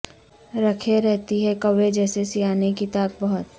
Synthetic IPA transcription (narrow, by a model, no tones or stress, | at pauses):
ɾɐkʰeɾɛɦt̪iɦɛkɐʋed͡ʒɛːsesijaːnekit̪aːk̚bɐɦʊt̪